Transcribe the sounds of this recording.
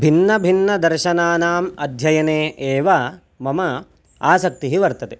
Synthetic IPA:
bʱinːɐbʱinːɐd̪ɐɾʃɐnaːnaːmɐd̪ʱjɐjɐneːʔeːʋa | mɐmɐ | aːsɐk̚t̪iɦiʋɐɾt̪ɐt̪e

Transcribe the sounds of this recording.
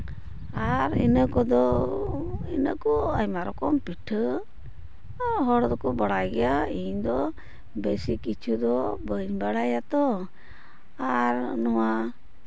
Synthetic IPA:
aɾḭnəkɔd̪ɔ | inəkɔajmaɾɔkɔmpiʈʰə | ɦɔɽd̪ɔkɔbaɽajɡɛjaiɲd̪ɔ | besikit͡ʃʰud̪ɔbəɲbaɽajat̪ɔ | aɾnɔwa

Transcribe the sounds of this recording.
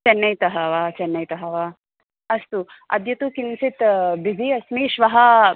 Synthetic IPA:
t͡ʃɐnːɐjt̪ɐɦɐʋaːt͡ʃɐnːɐjt̪ɐɦɐʋa | ɐst̪u | ɐ̰d̪jɐt̪ukinsit̪bizʱiɐsmiʃʋɐɦɐ

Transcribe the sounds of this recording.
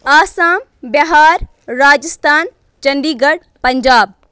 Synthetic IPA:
aːsaːm | bɐɦaːɾ | ɾaːd͡ʒəst̪ʰaːn | t͡ʃɐnd̪iːɡɐɽ | pɐɲd͡ʒaːb̚

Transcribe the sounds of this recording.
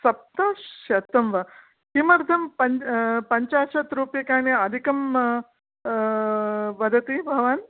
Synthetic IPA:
sɐp̚t̪aːɐt̪ɐmʋɐ | kimɐɾd̪ʱɐmpɐɲpɐɲt͡ʃaːʃɐt̪ɾuːpjɐkaːniɐd̪ʱikɐm | ʋɐd̪ʱɐt̪ibʱɐʋaːn

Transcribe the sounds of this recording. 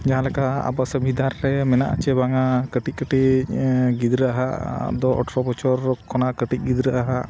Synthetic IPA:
d͡ʒaɦãlɛkaa̰basəbʱid̪aɾːɛmɛnaʔat͡ʃɛbaŋakəʈic̚kəʈi | ɡid̪ɾəaɦa̰ʔd̪ɔʔɔ̰ʈɾɔbɔt͡ʃɔɾkʰɔnaʔkəʈic̚ˀɡid̪ɾəʔaɦaʔ

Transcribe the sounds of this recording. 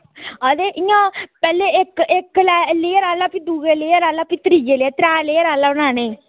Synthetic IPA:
əd̪eːʔɪjãːpɛːlːeːɪkːkːlɛːleːɾaːlaːpiːd̪uːɡeːleːɾaːlaːpiːt̪əɾiːd͡ʒeːleaːt̪ɾɛːleːɾaːlaːʊnãːneː

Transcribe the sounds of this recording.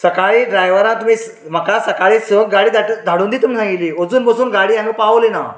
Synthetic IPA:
səkaɭiːɖɾajʋəɾãt̪um̤iːs | m̤akasəkaɭiːsəɡaɽiːd̪ʱaʈd̪ʱaɽũnd̪it̪um̤iːsãŋɡit̪liːod͡zuːnbəsuːnɡaɽiːjãnipaʋlina

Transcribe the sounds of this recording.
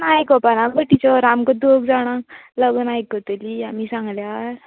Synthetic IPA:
najkɔpanãbəʈit͡sɔɾamkɔd̪oɡd͡zaɽ̃aləɡənajkːət̪eliamisãŋɡljaɾ

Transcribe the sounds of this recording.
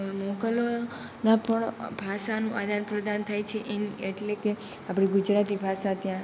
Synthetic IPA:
mɔkəlo | napəɳbʱaʃanũʔad̪ʱanpɾəd̪ant̪ʰajt͡ʃʰeʔenieʈleke | apɽ̃iɡʊd͡ʒɾat̪ibʱaʃat̪jã

